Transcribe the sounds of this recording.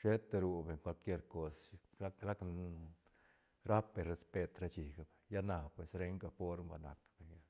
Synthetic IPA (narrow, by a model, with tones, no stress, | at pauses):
ʃe˦t̪e˧ɾu˧be˨ŋkʷwʷa˧lkje˦ɾko˦sa˦kɾa˦k | ɾa˦pbe˨ɾe˧spe˧t̪ɾa˧˦t͡ʃi˨ɡa˧be˨ja˦na˧pwe˨sɾe˦ŋka˧po˦ɾmba̰˨na̰˨kb̥e˨ɲa˦